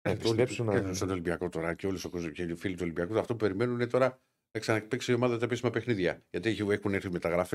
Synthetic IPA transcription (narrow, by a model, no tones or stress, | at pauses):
t̪oesusɐnt̪olimbiɐko̞t̪o̞ɾɐceo̞lusokozceifilit̪uolimbiɐkut̪ɐft̪opupe̞ɾime̞nuninet̪o̞ɾɐ | nɐksɐnɐekpiksiio̞mɐðɐt̪ɐepisimɐpe̞xniðʝɐʝɐt̪içiexuneɾθime̞t̪ɐɣɾɐfe